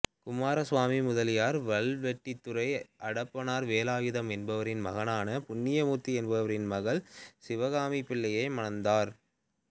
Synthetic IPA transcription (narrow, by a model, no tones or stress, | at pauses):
kʊmaːɾɐsʋaːmimʊðɐlɪjaːɾʋɐɭʋɛʈːɪt̪ːʊɾɐɪʔɐɽɐpːɐnaːɾʋeːlaːʋɪðɐmɛnbɐʋɐɾɪnmɐɣɐnaːnɐpʊɳːɪjɐmuːt̪ːiɛnbɐʋɐɾɪnmɐɣɐɭsɪʋɐɣaːmipɪɭːɐjɐɪmɐnɐnd̪aːɾ